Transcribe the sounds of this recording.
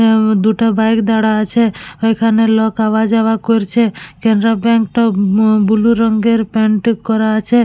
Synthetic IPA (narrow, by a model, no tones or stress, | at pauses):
d̪uʈabajkd̪aɽat͡ʃʰeəjkʰanelɔkaʋad͡ʒaʋakɔɾt͡ʃʰekɛɳɖɾabɛ̃ŋkʈɔbuluɾəŋɡeɾpeɳʈkɔɾat͡ʃʰe